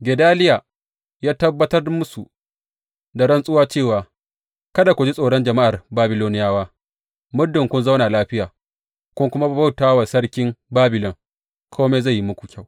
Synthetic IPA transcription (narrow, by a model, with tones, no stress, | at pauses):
ɡʲɛ˨daː˦lɪ˦jaː˨ | jaː˦tɐ˦bːɐ˦tɐ˦rmʊ˦su˨ | da˨ɽɐ˦nsʼʊ˦waː˦t͡ʃeː˦˨waː˨ | kɐ˦da˨kʷu˨d͡ʒi˦sʼoː˨ɽɔ˦nd͡ʒɐ˨ma˦ʔa˨rbaː˦bɪ˨loː˦nɪ˦jaː˦waː˦ | mʊ˦dːʊ˨ŋkʷʊ˦nza˦wnaː˨laː˦ɸɪ˦jaː˨ | kʷʊ˦ŋkʷʊ˦ma˦ba˦˨wtaː˦wa˨sɐ˦ɽkʲɪ˦ŋbaː˦bɪ˨lɔ˨ŋ | kʰoː˦meː˦za˦˨jːi˦mʊ˦kʷu˨kʲa˦˨w